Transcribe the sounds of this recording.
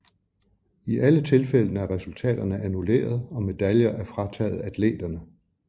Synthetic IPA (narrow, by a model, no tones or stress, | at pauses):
iʔælət͡sʰe̝lfel̰nəæɐʁɛsult͡sʰɛ̰ːd̥ɐnəʔænule̝̰ːɐð̞̩ˠɒ̽me̝d̥æljɐʔæɐfʁɑ̈t͡sʰɛ̰ːð̞̩ˠæd̥lḛːd̥ɐnə